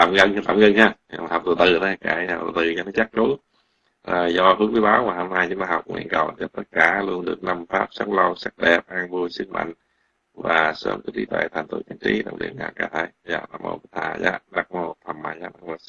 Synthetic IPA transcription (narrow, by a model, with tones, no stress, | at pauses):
aː˧˨˩mɣə˧ŋ˧t̪aː˧˩˨mɣə˧ŋhaː˧a˨˩ha˨˩w̚tɨ˨˩t̪ɨ˨˩t̪a˨˦˧kaː˧˩a˧˨˩t̪ɨ˨˩ɲɔ˧˩nɔ˨˦t͡ɕa˦˥k̚t͡ɕu˨˦ | ʔəː˨˩zɔ˧fɨ˨˦ŋwi˨˦ɓaː˨˦wmaː˨˩ho˧mnaː˧jɲu˧˦aː˧ɦa˨˩wk͡p̚ŋwḭ˧˩nkə˨˩wza˨˩t̪ə˦˥t̚kaː˧˩lu˧ənɗɨ˨˩ək̚na˧mfaː˦˥p̚sa˦˥t̚lə˧wsa˦˥k̚ɗɛ˨˩p̚ʔaː˧ŋvu˧əjsɨ˦˥k̚mʔa̰˧˨jŋ̟ | vaː˨˩sə̰ː˧˦mkə˧˦t̪i˨˦t̪wḛː˧˨t̪ʰa˨˩ŋ̟t̪ṵ˧˨˩t͡ɕa˧˩nt͡ɕi˧˨˦ɗə̰˧˩wŋ͡mɗḭ˧˩əna̰ː˧˩ka˧˩t̪ʰe˧˩za̰ː˧˩na̰˧˩mo̰˧˩˧t̪ʰaː˨˩za̰ː˧˦˥ɗa˨˩k̚mo˨˩t̚t̪ʰa˨˩mmaː˧˩jzaː˧˦˥ɗa˧˩mo˨˧˩